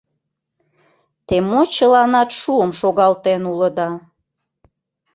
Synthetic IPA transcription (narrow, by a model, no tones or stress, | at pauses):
t̪emot͡ɕəlɑnɑt̪ʃuəmʃoɣɑlt̪enuləd̪ɑ